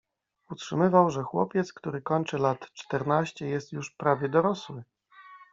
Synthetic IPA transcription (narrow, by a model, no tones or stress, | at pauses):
utʂɘmɘvawʐɛxwɔ̰pʲjɛt̪skt̪uɾɘkɔɲt͡ʂɘlat̪t͡ʂt̪ɛɾnaɕt͡ɕɛjɛst̪juʂpɾavʲjɛd̪ɔɾɔswɘ